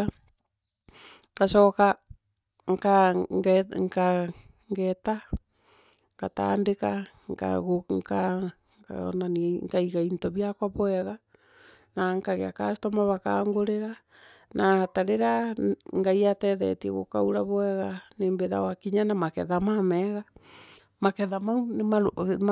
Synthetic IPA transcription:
kasɔka | ŋka | ŋka | ŋɡɛta | ŋkata̰ndeka | ŋka̰ɣoŋka̰ | nanŋkaiɣaintɔβiakwaβwɛɣa | naŋkaɣeakasi̥tɔmaβaka̰ːŋɡoɾeɾa | nataɾeɾaŋɡaiatɛðɛ̰tiɛ̰ɣo̰kauɾaβwɛɣaneːmbeða̰wakiɲanamakɛðamamɛɣa | makɛðamaunemaɾo

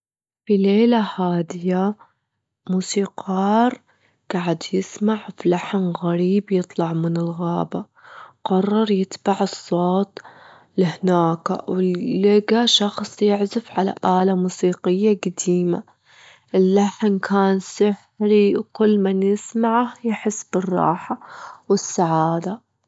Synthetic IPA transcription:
fileːlahaːd̪ɪja | muːsiːqɑːɾˤ | ɡ̥aːʕɪd̪jɪsmaʕfilaħnɣaɾiːbjɨt̪ˤlɑʕmɪnɪlɣaːba | qɑrˤːɑɾˤjɪt̪baʕɨsˤːoːt̪ˤ | lɪhnaːka̰wɪːɪɡaʃɑxsˤjɪʕzɪfʕala̰ʔaːlamuːsiːqɪjːaɡad̪iːma̰ | ʔɪlːaħnkʰaːnsɪħ | ɾiwkʊlːmanjɪsmaʕahjɪħɪsːbɪrˤːɑ̰ːħawɪsːaʕaːd̪a

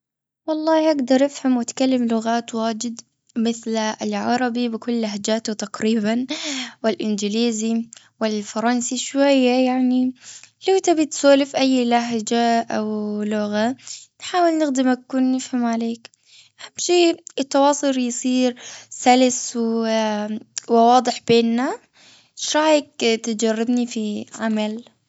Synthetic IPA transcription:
wɑlˤːɑːhʔaɡd̪ɑɾˤʔɪfhamwɪt̪kalːɪmlʊɣaːt̪waːd͡ʒɪd̪ | mɪθlɪlʕɑɾˤɑbibɪkʊlːaɦd͡ʒaːt̪ut̪aqɾiːbanwɪlʔɪnd͡ʒɪliːzi | wɪlfɑɾˤɑnsiʃwajːajaʕnilawt̪abɪt̪soːlɪfʔajːlaɦd͡ʒaʔawlʊɣanħaːwɪlnɪxd̪ɪmakuːnːɪfhamʕaleːk | hamːʃiːɪt̪ːɑwɑːsˤʊljsˤiːɾsalɪsw | wɪwɑːd̪ˤɨħbeːnːa | ʃɾˤɑːjɪk̚t̪ɪd͡ʒarˤːɪbnifiʕamal

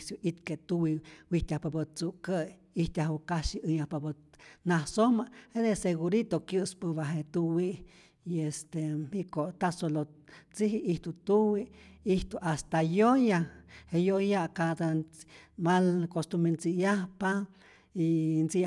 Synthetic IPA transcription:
sjuʔit̪ket̪uwiwiht̪ahpabət͡suʔkəj | iht̪ahukaʃiʔɨɲahpabənahsomahed̪eseɣuɾit̪okjɨspɨβaɦet̪uwiʔ | iest̪eikoʔt̪asolo | t͡siɦiʔiht̪ut̪uwiiht̪uʔast̪ajojahejojaʔkad̪a | malkost̪ument͡sijahpa | int͡si

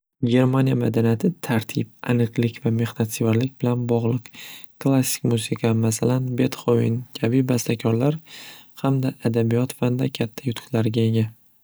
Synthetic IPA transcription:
ɡʲe̞ɾmanʲijamad̪anijat̪ʰɪt̪ʰaɾt̪ʰɪp̚a̰nɨqlɪkʲvame̞χnat̪sivaɾlɪk̚ʲbɪlanbɒʁlˠɨqklˠasːɪ̥kʲmusiqʰɑmasalanbe̞t̪χoɪ̰nkʲʰabibast̪ʰakʲʰɒɾlaɾhamd̪aʔːd̪abijɒt̪fand̪akʲʰat̪ʰːajʊt̪ʰʊ̥qlaɾɡʲae̞ɡʲa

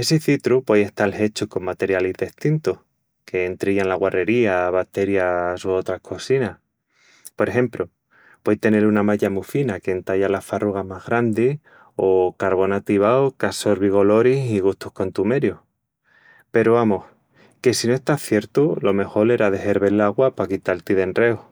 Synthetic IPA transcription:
e̞siθit̪ɾupweje̞ht̪alhe̞t͡ʃuko̞mmːat̪e̞ɾjalizðe̞ht̪int̪uh | kʰe̞ːnt̪ɾiʎanlaɣware̞ɾiaβak̚t̪e̞ɾjasoot̪ɾahkʰo̞sinah | po̞ɾexe̞mplo | pwejt̪e̞ne̞ɾunamaʎamufinakent̪aʎalafaruɣamazɣɾand̪e | o̞kaɾβo̞nat̪iβaokaso̞ɾβiɣo̞lo̞ɾisiɣ̞uht̪uhko̞nt̪ume̞ɾjo | pe̞ɾoβamoh | ke̞sinoe̞st̪aθje̞ɾt̪ulo̞me̞xo̞le̞ɾaðe̞he̞ɾβe̞laɣwapakit̪alt̪iðe̞nre̞o

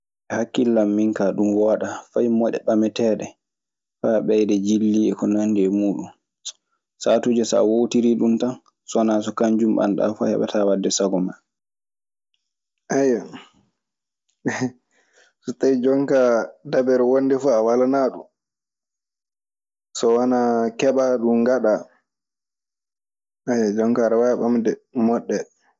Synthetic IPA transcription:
ʔɛhakːilːamːiŋkaɗumwaɗafajmɔɗɛ̰ɓamɛtɛːɗɛ | faɓɛjdɛd͡ʒilːiɛkɔnandiɛmuːɗun | satud͡ʒɛsa̰wowtiɾiɗumtan | sɔnas̬ɔkaɲd͡ʒumɓa̰nɗa̰fɔ̰hɛ̰ɓɛ̰tawadːɛsaɡɔma | ʔaja | sɔtajd͡ʒɔŋkadabɛɾwondɛfuawalanaɗṵ | sɔwanakɛɓaɗumɡaɗa | ajad͡ʒɔŋkaɾawajɓamdɛmɔɗːɛ

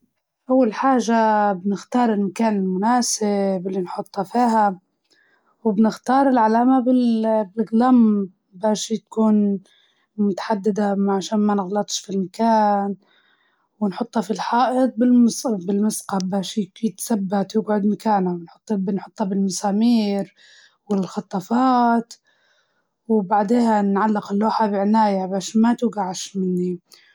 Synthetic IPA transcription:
ʔawːalħaːʒabnɪxt̪ɑːɾˤɪlmakaːnɪlmʊnaːsɪbɪlːinħʊt̪ˤːhɑfiːɦa | wɪbnɪxt̪ɑːɾˤɪlʕalaːmabɪlbɪlɡlam | baːʃit̪kuːn | mʊt̪ḁħad̪ːɪd̪amaʕaʃaːnmanɪɣlɑt̪ˤʃfilmakaːn | wɪnħʊt̪ˤːhɑfilħaːʔɪd̪̚ˤbɪlmʊsbɪlmʊsqɑbaːʃɪt̪sabːat̪jɪɡʕʊd̪makaːnawɪnħʊt̪ˤːbnħʊt̪ˤːhɑbɪlmʊsaːmiːɾ | wɪlxɑt̪ˤːɑfɑːt̪ | wbaʕd̪eːhanʕalːɪqɪlːoːħabɪʕɪnaːjabaːʃmat̪uɡaʕaʃmɪnːi

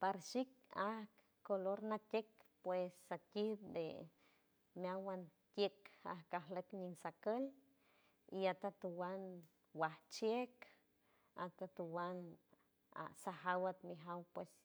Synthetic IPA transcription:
paɾʃikahkːoloɾnat̪ʲekpwesat̪ʲib̚d̪ḛ | mjawan | t̪jeka̰hkaɦlekɲiŋsakəl | iat̪at̪uwan | waht͡ʃjek | at̪at̪uwan | a̰sahawat̪miɦawpwes

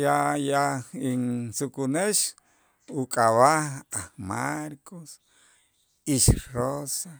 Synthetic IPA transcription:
jajainsukuneʃ | ukʼaβaaχmaɾkos | iʃrosa

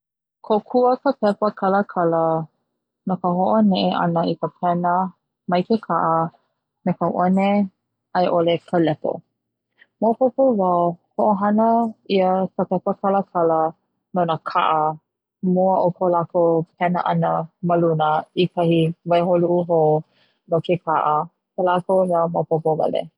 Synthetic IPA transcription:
kʰokʰuəkəpɛpəkʰaləkʰalə | nakəɦoʔonɛʔeʔa̰nəikəpʰɛnə | majkekʰaʔə | mekəwʔone | ajʔolekʰəlɛpo̰ | mowpopovawhoʔoɦanəiəkəpɛpəkʰaləkʰalə | nonəkʰa̰ʔə | muəʔokʰolakop̚ʰɛnə̰ʔanəməlunəikahivajɦoluʔuɦo | nokekʰaʔə | kəlakonamapopovɐ̰lḛ

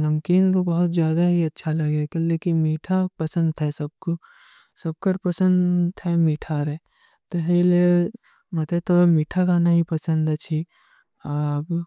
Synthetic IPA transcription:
nɐmkiːnkobɐɦʊt̪zjaːd̪aɦiɐtːʃʰalɐɡekɐlekimiːʈʰapɐsə̃nd̪ɦɛsɐb̚ko | sɐb̚kəʈpɐsə̃nd̪ʰɛmiːʈʰaɾɛ | t̪oɦele | mɐt̪et̪omiːʈʰakanɐɦĩpɐsə̃nd̪ɐt͡ʃʰi | aːb

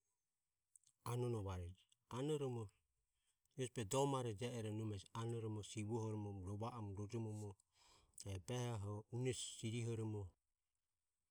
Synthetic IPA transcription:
anɔnɔβaɾɛd͡ʒ | anɔɾɔmɔ | ɔspɛdɔmaɾɛd͡ʒɛɛɾɔnumɛsanɔɾɔmɔsiβɔhɔɾɔmɔmɾɔβaʔamɾɔd͡ʒɔmɔmɔ | ɛbɛhaɦɔunɛsːiɾiɦɔɾɔmɔ

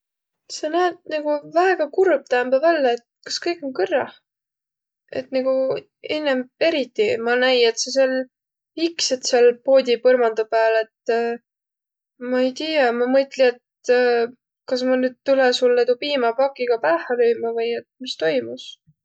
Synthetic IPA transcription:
senæːt̪nɑɡ̥uvæeɡ̥ɑkurb̥̚t̪æːmbɑvælːeet̪̚kɑ̥skɤjkˑo̞ŋkɤrːɑh | e̞̰t̪niɡ̥u | enːeme̞ɾit̪ːimɑnæje̞t̪ses̬el | ikset̪selpo̞ːd̪ʲipɤrmɑnd̪upæːle̞t̪ː | mɑejt̪iːjɑmɑmɤt̪ˑlie̞t̪ | kɑs̬mɑnyːd̪̥̚t̪ulɛsulːet̪upiːmɑpɑkːˑiɡ̥ɑpæːhɑløjmɑvɤjet̪̚mist̪o̞jmus

